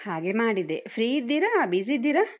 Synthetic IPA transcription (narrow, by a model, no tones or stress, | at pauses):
haːɡemaːɽid̪efʰɾiːid̪ːiɾabizid̪ːiɾa